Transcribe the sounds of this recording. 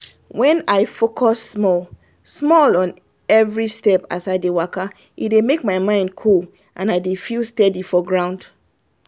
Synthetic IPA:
wɛ̃naɪfokʰɔsːmɔl | smɔlɔ̃n | ɛvɹistɛpasaɪdewaka | idemek̚maɪmãɪ̃ndkʰul | ʔãnaɪdefilˠstɛdifɔɡɹãʊ̃nd̥

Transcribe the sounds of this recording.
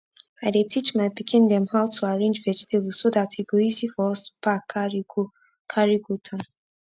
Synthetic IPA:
aɪdetʰit͡ʃmajpikʰĩnd̪ɛ̃mhaltʰuaɹẽnd͡ʒvɛd͡ʒitʰeb̩sodathiɡoisifɔspak | kʰaɹiɡutʰɔ̃n

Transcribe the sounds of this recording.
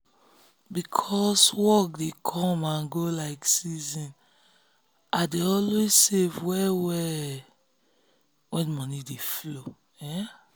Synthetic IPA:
bikʰɔswɔk̚dekʰɔ̃mãnɡolaɪksizĩn | adeɔlwezsevwɛwɛ | wɛ̃nmɔnideflo | ɛ

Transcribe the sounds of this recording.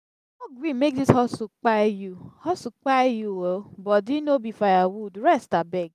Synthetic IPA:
oɡwimek̚dishɔsʊk͡pajuhɔsʊk͡pajuwobɔdinobifajawudɾɛstabɛɡ

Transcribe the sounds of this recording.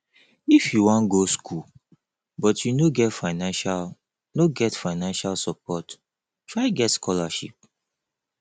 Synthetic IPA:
ifjuwɔ̃nɡoskʰu | bɔtʰjunoɡɛtfaɪnãnʃal | noɡɛtfaɪnãnʃalsɔp̚ɔt | tɹaɪɡɛtskʰɔlaʃḭp̚

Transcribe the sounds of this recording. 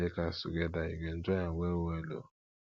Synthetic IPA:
ekasuɡedaiɡen̩tɔɲaɡʷewelo̰

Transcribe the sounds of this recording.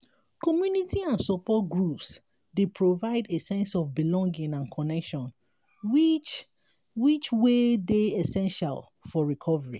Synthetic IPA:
kɔmjunitiãnsɔpɔt̚ɡɹups | depʰɹovaɪdesɛ̃nsɔfbilɔ̃ŋɡĩŋãnkʰɔnɛkʃɔ̃n | wit͡ʃ | wit͡ʃwedeɛsɛ̃nʃa̰l | fɔɹikʰɔvəɹḭ

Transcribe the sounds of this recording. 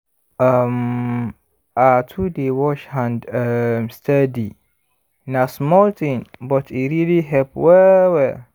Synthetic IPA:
am | atʰudewɔʃhãndəmstʰadi | nãsmɔltʰĩnbɔtʰiɾiliɦɛlpʰwɛwɛ

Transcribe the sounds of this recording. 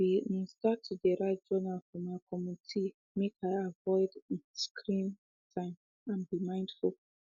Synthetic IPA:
iĩstatʰudɛɹad͡ʒɔnalfɔmaɪkɔmutʰi | mekʰaɪavɔɪdĩnskʰɹĩn | tʰãɪ̃m | ãnbimãɪ̃ndfulˠ

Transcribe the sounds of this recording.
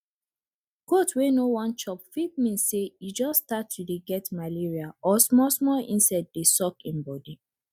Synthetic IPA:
kotwenowãnt͡ʃɔpfit̚mĩnsejud͡ʒɔsːtatːudeɡɛtmaliɹiaɔsmɔsmɔlḭ̃nsad̚desɔkĩnbɔdi

